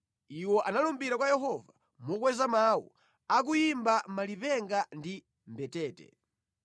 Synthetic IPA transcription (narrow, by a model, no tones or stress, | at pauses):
iwɔʔanalumbiɾakwajɛɦɔva | mɔkwɛzamaːwṵ | ak̬ujimbamalipɛŋɡandi | mbɛtɛːtɛ̰